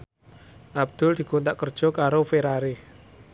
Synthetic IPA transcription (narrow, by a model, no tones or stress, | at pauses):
ʔab̚d̪̥ʊ̤ld̪̥i̤kont̪aʔkərd̥ʒ̥ɔ̤kaɾofeɾaɾi